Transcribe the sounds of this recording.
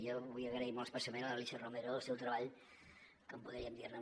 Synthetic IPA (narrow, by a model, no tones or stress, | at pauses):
jɔβujəɣɾəimɔlˠəspəsəmenələlisəromeɾəðəlˠsɛwt̪ɾəβaʎ | kəmpuðɾiəmd̪irnə